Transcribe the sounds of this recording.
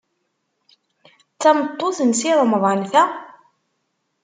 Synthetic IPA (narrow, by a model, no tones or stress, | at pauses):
t͡sːæmət̪ˤːoθənsiɾˤəməvˤənθæ